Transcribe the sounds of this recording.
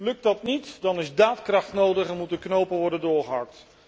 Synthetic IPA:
lɵk̚ddɑtnitdɑnɪzdaːtkrɑχtnowdəχɛnmutənknowpənʋɔɹdəndʊːɹχəɦɑ̰k̚t

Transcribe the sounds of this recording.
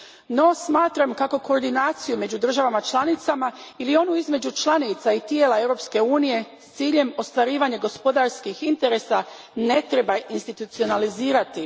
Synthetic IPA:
no̞smaːt̪ɾamkako̞ko̞ːɾd̪inaːt̪sijume̞d͡ʑud̪r̩ʒaʋamat͡ʃlˠanit̪samailio̞nuizme̞d͡ʑut͡ʃlˠanit̪sait̪je̞ːlˠae̞wɾo̞pske̞uːnije̞st̪siːʎe̞mo̞st̪ʋaɾiːʋaɲe̞ɡo̞spo̞d̪aɾskixint̪e̞ɾe̞sa | ne̞t̪ɾe̞bainst̪it̪ut̪sio̞naliziːɾat̪i

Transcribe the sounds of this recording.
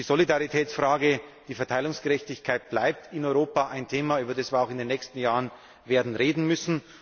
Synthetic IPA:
d̥iːzolidaʁitʰɛːt͡sfʁ̥aːɡəd̥iːfɛɐtʰaɪlʊŋsɡ̥əʁɛçtɪçkʰaɪt̚b̥laɪp̚tɪnɔʏʁoːpaʔaɪntʰeːmayːbɐdɛsviːɐaʊxɪndeːnːɛçstn̩jaːʁən | veːɐdn̩ʁeːdn̩mʏsn̩

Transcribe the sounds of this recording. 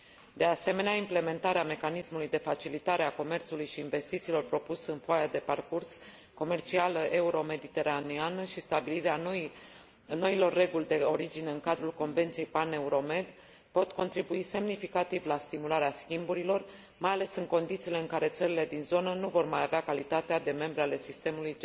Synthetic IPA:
d̪e̞ase̞me̞neaimple̞me̞nt̪aɾeame̞kanismulujd̪e̞fat͡ʃilit̪aɾeako̞me̞rt̪sulujʃiːnve̞st̪it̪siːlo̞rpɾo̞pusɨnfoajad̪e̞parkurs | ko̞me̞rt͡ʃialəʔe̞uɾo̞me̞d̪it̪e̞ɾanianəʃist̪abiliɾean | no̞ilo̞rːe̞ɡulʲd̪e̞o̞ɾid͡ʒine̞ɨŋkad̪ɾulko̞nve̞nt̪sijejpane̞uɾo̞me̞d̪ | po̞t̪ko̞nt̪ɾibuise̞mnifikat̪ivlast̪imulaɾeaskʲimbuɾilo̞r | majale̞sɨŋko̞nd̪it̪siːle̞ɨŋkaɾe̞t̪səɾile̞d̪inzo̞nənuvo̞rmajaveakalit̪at̪ead̪e̞me̞mbɾeale̞sist̪e̞muluj

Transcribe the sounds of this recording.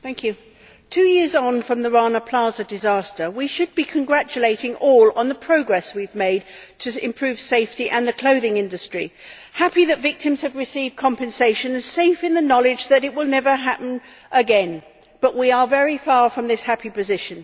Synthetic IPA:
θæ̃ŋkʰjʉ | tʰʉjɪɹzn̩fɹʌ̃mðəɹɑnəpʰl̥ɑzɨdɨzæstə˞wiʃɨd̚bikʰɨ̃nɡɹæt͡ʃɨleɪɾɪ̃ŋɔlˠə̃nðəpʰɹ̥oʊɡɹɛswivmeɪd̚tʰɨɪ̃mpʰɹ̥ʉv̥seɪftiʔɨ̃nðɨkʰl̥oʊðɪ̃ŋɪ̃ndɨstɹ̥ḭ | hæpiðɨtvɪk̚tɨ̃mz̥ɨvɹɨsivd̚kʰɑ̃mpɨ̃nseɪʃɨ̃nz̥seɪfɨ̃nðɨnɑlˠɪd͡ʒðɨɾɨt̚wəlˠnɛvə˞ɦæpn̩ | ʔəɡɛ̃n | b̥ʌʔwiə˞vɛɹifɑɹfɹʌ̃mðɪshæpipɨzɪʃɨ̃n

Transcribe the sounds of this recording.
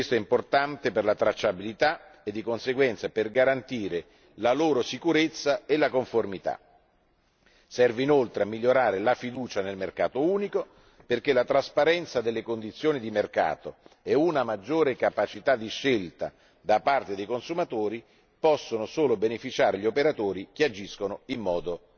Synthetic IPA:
west̪oɛimport̪ant̪eperlat̪ɾat͡ʃːabilit̪aed̪ːikonseɡwɛnt̪saperɡaɾant̪iːɾe | laloːɾosikuɾet̪sːaelakoɱformit̪a̰ | sɛrveinolt̪ɾeamːiʎːoɾaːɾelafid̪uːt͡ʃanelmerka̰ːt̪ouːniko | perk̟elːat̪ɾaspaɾɛnt̪sad̪elːekond̪it̪sːjoːnid̪imerka̰ːt̪oɛunamad͡ʒːoːɾekapat͡ʃit̪ad̪ːiʃːelt̪a̰ | d̪apart̪ed̪ejkonsumat̪oːɾi | pɔsːonosoːlobenefit͡ʃaːɾeʎiopeɾat̪oːɾikead͡ʒiskonoimːɔːd̪o

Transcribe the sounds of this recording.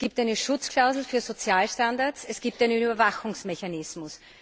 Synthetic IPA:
ɡ̥iːp̚tæɪnəʃʊt͡skʰl̥aʊzl̩fyːɐzot͡sjaːlʃtandaɐtsɛsɡ̥iːp̚tæɪnənybɐvaxʊŋsmɛçanɪsmʊs

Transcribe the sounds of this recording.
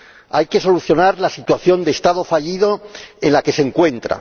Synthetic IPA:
ajke̞so̞luθjo̞naɾlasit̪waθjo̞nd̪e̞st̪aðo̞faʎiðo̞e̞nlake̞se̞ŋkwe̞nt̪ɾa̰

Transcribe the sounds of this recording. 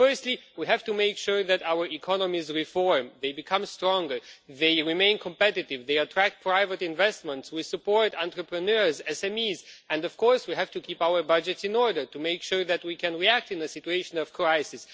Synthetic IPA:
fɜ˞stˡliwiɦæv̥tumeɪkʃuɹðɨtaʊə˞ikʰɑnəmizɹifɔɹmðeɪbɨkʰʌ̃mstɹɔ̃ŋɡə˞ðeɪɹimẽɪ̃nkʰɔ̃mpɛɾɨtɪvðeɪətʰɹ̥æk̚t̚pʰɹaɪvətɪ̃nvɛst̚mə̃ntswisɨpɔɹtãntɹəpɹɨnɜɹzɛsɛ̃mizɨ̃ndʌv̥kʰɔɹswiɦæv̥tukʰipaʊə˞bʌd͡ʒɨtsɨ̃nɔɹdə˞tumeɪkʃuɹðæt̚wikʰɨ̃nɹiæk̚tɨ̃nɨsɪtueɪʃə̃nʌv̥kʰɹaɪsɪs

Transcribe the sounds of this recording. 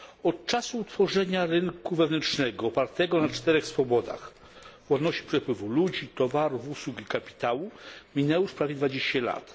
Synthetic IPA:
ɔt̪̚t͡ʂasuːt̪fɔʐɛɲaɾɘŋkuvɛvnɛnʂnɛɡɔːpaɾt̪ɛɡɔnat͡ʂt̪ɛɾɛxsfɔbɔd̪a̰x | vwad̪nɔɕt͡ɕi̥pʂɛpwɘvulud͡ʑit̪ɔvaɾuvuswukikapʲi̥t̪awumʲinɛwuʂpɾavʲjɛd̪vad͡ʑeɕt͡ɕala̰t̪

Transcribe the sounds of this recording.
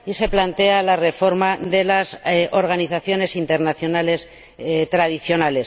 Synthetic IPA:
ise̞plant̪e̞alare̞fo̞ɾmaðe̞laso̞ɾɣ̞aniθaθjo̞ne̞sint̪eɾnaθjo̞nales | t̪ɾað̞iθjo̞nale̞s

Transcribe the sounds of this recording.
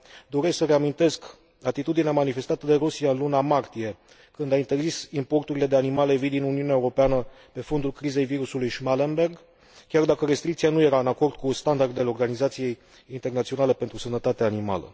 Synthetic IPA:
d̪o̞ɾe̞sksəɾe̞amint̪e̞sk | at̪it̪ud̪ineamanife̞st̪at̪əd̪e̞ɾusijaɨnlunamart̪ije̞ | kɨnd̪aint̪e̞rzisimpo̞rt̪uɾile̞d̪e̞animale̞vid̪inuniuneaeuɾo̞peanə | pe̞fo̞nd̪ulkɾize̞jviɾusulujʃmalenbe̞rɡ | kʲard̪akəɾe̞st̪ɾik̚t̪sianuje̞ɾaɨnako̞rd̪̚kust̪and̪ard̪eleo̞rɡanizat̪sije̞j | int̪e̞rnat̪sio̞nale̞pe̞nt̪ɾusənət̪at̪eaːnima̰lə̰

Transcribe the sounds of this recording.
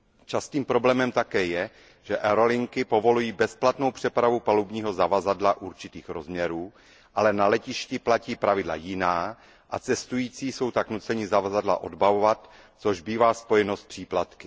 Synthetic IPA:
t͡ʃast̪iːmpɾo̞blɛːmɛmt̪akɛːjɛ | ʒ̥ɛʔɛɾo̞lɪŋkɪpo̞vo̞lujiːbɛsplat̪no̞wpr̥ɛpɾavupalubɲiːɦo̞zavazadlaʔuɾt͡ʃɪt̪iːxɾo̞zmɲɛɾuː | ʔalɛnalɛcɪʃcɪplaciːpɾavɪdla̰jɪnaː | ʔat͡sɛst̪ujiːt͡siːso̞wt̪aknut͡sɛɲɪzavazadla̰ʔo̞dbavovat̪ | t͡so̞ʒbiːvaːspo̞jɛnost̪̚pr̥iːplat̪kɪ̥

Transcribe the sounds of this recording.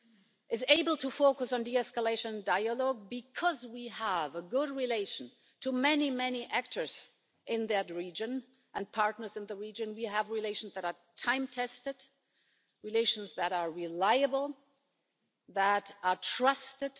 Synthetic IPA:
ʔɨzeɪbl̩ˠtʰəfoʊkəsn̩diɛskəleɪʃə̃nndaɪəlɔɡ̚bɨkʰʌzwiəvəɡʊd̚ɹileɪʃn̩ | tʰɨmɛnimɛniʔæk̚tʰə˞z̥ | ʔɪ̃nðɨtɹid͡ʒɨ̃n | ʔɨ̃npʰɑɹtⁿnə˞zɨ̃nðəɹid͡ʒɨ̃nwiəvɹileɪʃn̩zðɨɾə˞tʰãɪ̃mtʰɛstɨd̥ | ɹileɪʃn̩zðɨɾə˞ɹɪlaɪɨbəl̩ˠ | ðəɾə˞tʰɹ̥ʌstɨd̥

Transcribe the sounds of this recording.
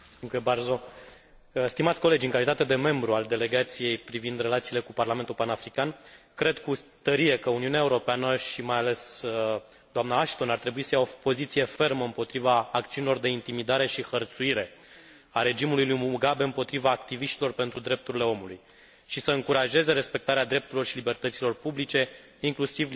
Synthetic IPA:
uŋkuebarzo̞ | st̪imat̪sʲkole̞d͡ʒʲɨŋkalit̪at̪e̞d̪e̞me̞mbɾuald̪e̞le̞ɡat̪sije̞jpɾivind̪re̞lat̪siːle̞kuparlament̪ulpanafɾikan | kɾe̞d̪kut̪əɾie̞kəuniuneaeuɾo̞peanəʃimajale̞s | d̪oamnaːʃt̪o̞nart̪ɾe̞buisəjao̞po̞zit̪sije̞fe̞rməɨmpo̞t̪ɾivaːkt̪siunilo̞rd̪e̞int̪imid̪aɾe̞ʃixərt̪suiɾe̞ | aɾe̞d͡ʒimulujlujmuɡabe̞ɨmpo̞t̪ɾivaːkt̪iviʃt̪ilo̞rpe̞nt̪ɾud̪ɾe̞p̚t̪uɾile̞o̞muluj | ʃisəɨŋkuɾaʒe̞ze̞ɾe̞spe̞k̚t̪aɾead̪ɾe̞p̚t̪uɾilo̞rʃilibe̞rt̪ət̪silo̞rpublit͡ʃe̞ | iŋklusiv

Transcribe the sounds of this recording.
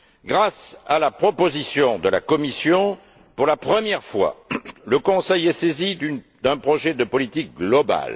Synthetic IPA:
ɡʁasalapχɔpozisjɔ̃d̪əla̰kɔmisjɔ̃ | puʁlapχəmjɛʁfwa̰ləkɔ̃sɛjɛsezid̪ | d̪ɛ̃pχɔʒɛd̪əpɔlit̪ik̚ɡlɔba̰l

